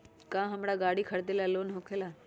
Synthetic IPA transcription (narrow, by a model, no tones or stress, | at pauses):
kãːɦɐmɽaɡaːɽikʰəɽd̪elaloːnɦokʰelaː